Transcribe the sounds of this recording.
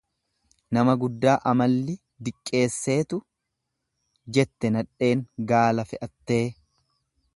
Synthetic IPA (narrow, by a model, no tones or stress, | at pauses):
nɐmɐɡʊd̪ːaːʔɐmɐlːɪ | d̪ɪkʼːe̞ːsːe̞ːt̪ʊ | d͡ʒɛt̪ːɛnɐᶑe̞ːŋɡaːlɐfɛʔɐt̪ːeː